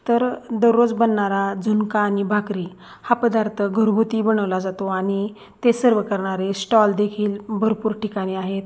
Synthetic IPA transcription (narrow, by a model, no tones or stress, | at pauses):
t̪əɾd̪əɾːod͡zbənːaɾad͡zunkaːɽ̃ibʱakɾiː | hapəd̪aɾt̪ʰəɡʱəɾɦot̪ibəɽ̃əʋlad͡zat̪oaɽ̃ñi | t̪esəɾʋəkəɾɳ̃aɾesʈɔld̪ekʰiːlbʱəɾpuːɾʈikaɽ̃ĩaɦet̪